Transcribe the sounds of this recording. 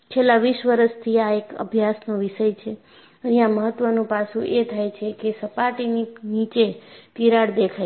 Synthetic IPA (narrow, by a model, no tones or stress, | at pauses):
t͡ʃʰelːãʋiʃʋəɾəst̪ʰiaekə̰bʱjasnoʋiʃəjt͡ʃʰe | əɦijãməɦət̪ːʋənũpasũʔet̪ʰajt͡ʃʰekesəpaʈininit͡ʃek̪iɾaɽd̪ekʰaj